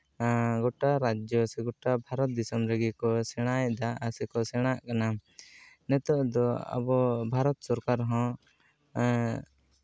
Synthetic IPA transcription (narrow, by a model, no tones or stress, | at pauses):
ɡɔʈaɾad͡ʒjɔsɛɡɔʈabʱaɾɔt̪̚d̪isɔmɾeɡikɔsɛɽ̃ajd̪aasɛkɔsɛɽ̃aʔkana | nɛt̪ɔʔd̪ɔa̰bɔbʱaɾɔt̪sɔɾkaɾɦɔ̃